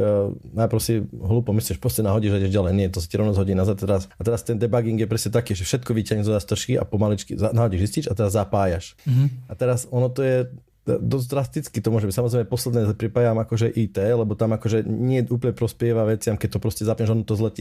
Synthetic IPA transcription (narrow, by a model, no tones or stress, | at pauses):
napɾɔscɛɦluːpɔmisɛʃpɾɔscɛnaɦɔɟiʒaɟɛʒɟalɛjɲɪɛt̪ɔsḁtɪɛɾɔnazɦɔɟiːnazat̪t̪ɛɾasat̪ɛɾast̪ɛnd̪ɛbaɡiŋɡjɛpɾɛscɛt̪akiːʒɛfʃɛt̪kɔʋicaɲɛzɔd̪ast̪r̩ʃkia̰pɔmalit͡ʃkizanaɦɔɟiʒisciʃat̪ɛɾazːapaːjaʃʔat̪ɛɾasɔnɔt̪ɔjɛ | d̪ɔzd̪ɾast̪it͡skit̪ɔmʊɔʒɛbicsamɔzɾɛjmɛpɔslɛd̪nɛːɛpɾipaːjaamakɔʒɛʔiːt̪ɛːlɛbɔt̪amakɔʒɛɲɪɛʔuːp̬lɲɛpɾɔspɪɛʋaʋɛt͡sɪamkɛc̚t̪ɔpɾɔscɛzapɲɛʒɔnɔt̪ɔzlɛtɛ